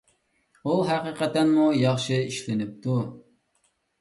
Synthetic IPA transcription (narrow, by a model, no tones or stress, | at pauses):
uɦæqiqɛt̪ɛnmujɑχʃɨiʃlɪnɪp̚t̪ʰu